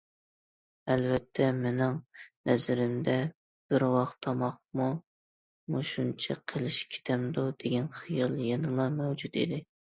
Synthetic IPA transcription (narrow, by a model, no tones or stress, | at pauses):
ɛlvɛt̪ʰːɛmɪnɪŋnɛzɪɾɪmd̪ɛ | b̥ɪɾwɑχt̪ʰːɑmɑχ̚mu | muʃunt͡ʃʰɛ̰qʰəlˠɪʃkʲʰi̥t̪ʰɛmd̪ud̪̥eɡʲɛnχijɨlˠjenɨlˠɑmɛwd͡ʒut̪ḭd̪ɪ